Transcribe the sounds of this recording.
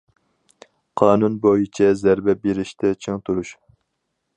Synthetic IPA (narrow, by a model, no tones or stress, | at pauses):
qʰɑːnunbojit͡ʃʰɛzæɾbɛbeɾɪʃt̪ʰɛt͡ʃʰeŋt̪ʰuɾuʃ